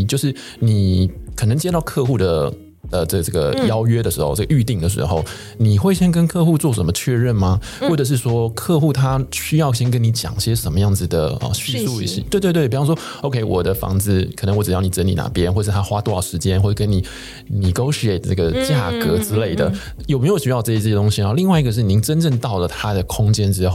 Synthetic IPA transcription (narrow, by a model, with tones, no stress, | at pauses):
t͡ɕjo˥˧ʊʂɻ̩˥˩ | ni˨˩kʰɤ˨˩nə˧˥ŋt͡ɕjɛ˥t̪ɑ˥˧ʊkʰɤ˥˧xu˥˩d̪ə˩ | ə˨ʈ͡ʂɤ˥˩ʈ͡ʂɤ˥˩ɡə̰˩jɑ˥ʊɥɛ˥d̪ə˨ʂɻ̩˧˥xo̰˧ʈ͡ʂə̥˥˩ə˨y˥˧t̪i˥˩ŋd̪ə˩ʂɻ̩̰˧˥xo˥˧ʊ | ni˨˩xwe˥˩ɪɕjɛ˥nk̬ə˥nkʰɤ˥˧xu˥˧t͡swɔ˥˩ʂə˧˥nmə˧t͡ɕʰɥɛ˥˧ɻə˥˩nma˨˩ | xwɔ˥˩ʈ͡ʂə˨˩ʂ̬ɻ̩˥˩ʂwɔ˥kʰɤ˥˧xu˥˩t̪ʰa˥ɕy˥jɑ˥˩ʊɕjɛ˥nk̬ə˥ni˧˥t͡ɕjɑ̰˨˩ŋɕjɛ˥ʂə˧˥nmə˧jɑ˥˩ŋd͡zɹ̩˨˩d̪ə˩ə̰˧˩ɕy˥su˥˧ḭ˥˧˩ɕɛ̰˥˧t̪we˥˧ɪwtpi˨˩fɑ˥ŋ˥ʂwɔ˥ | o˧ʊkʰe˧˥ɪwɔ˨˩d̪ə˦fɑ̰˧˥ŋt͡sɹ̩˥˩kʰnə˧˦ŋwɔ˧˥ʈ͡ʂɻ̩˨˩jni˨˩ʈ͡ʂə˧˥nḭ˨˩na̰˨˩pjɛ˥˦nxwɔ˥˩˧ə˩ʂɻ̩ʰ˥˩a˥xwa˥t̪wɔ˥˨˩ʂɻ̩˧˥t͡ɕjɛ˥nxwɔ˥˩kə˥ni˨˩ | ni˨˩ko˥ʊʂɛ˥˩nə˥˩ɡə˩t͡ɕja˥˩kɤ˧˥ʈ͡ʂɻ̩˥le˥˩ɪd̪ə̰˩ | jme˧˥ɪjo˨˩ɕy˥jɑ˥˧ʊʈ͡ʂə˥˩ɛ˥˧t̪ʊ˥ŋɕi˧ɐ˧˦li˥˧ŋwa˥˧ɪi˧˥ɡə˧ʂ̬̩˥˩ni˧˥ŋʈ͡ʂə˥nʈ͡ʂə˥˧ŋt̪ɑ˥˩ʊlə˩t̪ʰa˥d̪ə˨kʰʊ˥ŋt͡ɕjɛ˥nʈ͡ʂɻ̩˥xo˥˨ʊ